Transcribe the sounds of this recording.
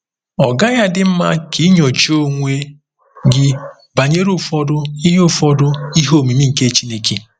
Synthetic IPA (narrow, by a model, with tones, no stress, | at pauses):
ɔ˨ɡa˦ɲa˦dɪ˦m̩˦ma̰˦kʰi˨˦ɲo˨t͡ʃo˦ŋʷe˦ | ɡɪ˦ | ba˨ɲe˦ɾu˦fɔ˦dʊ˦i˦ɦʊ˦fɔ˦dʊ˦i˦ɦo˦˨mi˨mi˦ŋ̩˨ke˦t͡ʃi˦ne˦kʰe˨